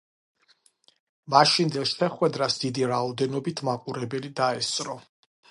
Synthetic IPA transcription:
maʃind̪ɛlˠʃɛχwɛd̪ɾasd̪̥id̪iɾaɔd̪ɛnɔbit̪ʰmaqʼuɾɛbɛlid̪aɛst̪ʼɾɔ

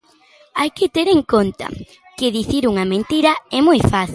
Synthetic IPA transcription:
ajkɪt̪eɾeŋkont̪ɐ̰ | kɪðiθiɾuŋɐmẽnt̪iɾɐɛmojfaθi

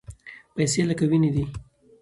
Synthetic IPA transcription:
pajselakawinid̪i

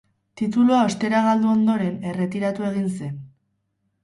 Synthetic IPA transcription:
t̪it̪̬uluao̞st̪e̞ɾaɣ̞ald̪uo̞nd̪o̞ɾe̞ne̞re̞t̪iɾat̪ue̞ɣ̞inse̞n

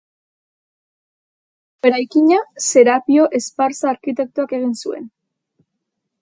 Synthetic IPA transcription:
be̞ɾajkiɲase̞ɾapio̞ʔespaɾsaːɾkit̪e̞k̚t̪uake̞ɣ̞insue̞̰n

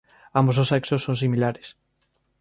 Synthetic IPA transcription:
ambososɛksosonsimilaɾes

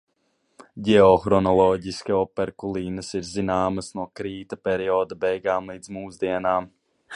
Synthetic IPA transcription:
ɟɛɔxɾɔnɔlˠɔːɟiskʲiɔpɛɾkulˠiːnəsiɾzinaːməsnuɔkɾiːt̪ɐpɛɾiɔːd̪ɐbɛjɡaːmlˠiːd̪zmuːzd̪iɛnaːm

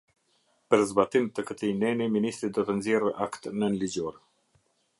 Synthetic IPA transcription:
pəɾzbat̪imt̪əkət̪inɛniminist̪ɾid̪ɔt̪ənzjɛrəʔakt̪nənlid͡ʑɔɾ

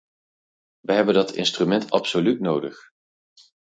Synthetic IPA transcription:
ʋəɦɛbəndɑtʰɪ̰nstrymɛntɑ̰psolytnowdəχ

